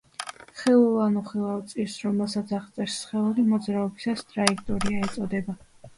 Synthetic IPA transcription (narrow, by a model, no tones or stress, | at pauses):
χɛlˠulˠanuχilˠavt̪sʼiɾsɾɔmɛlˠsat̪sʰaʁt̪sʼɛɾsːχɛlˠuɾimɔd̪zɾaɔbisast̪ʼɾaikʰt̪ʼɔɾiaɛt̪sʼɔd̪ɛba